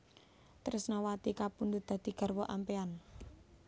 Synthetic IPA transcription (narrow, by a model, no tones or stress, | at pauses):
t̪əɾʊsnɔwat̪ikapund̪ud̪̥a̤d̪̥i̤ɡ̥a̤rwɔʔampean